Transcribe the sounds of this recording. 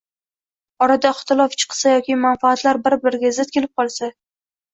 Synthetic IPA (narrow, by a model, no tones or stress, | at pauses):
ɒɾad̪aɪχt̪ɪlˠɒft͡ʃʰɨ̥qsajɒkʲɪmanfaːt̪laɾbɪɾbɪɾɪɡʲazɪt̪̚kʲʰe̞lɪp̚qʰɒlˠsa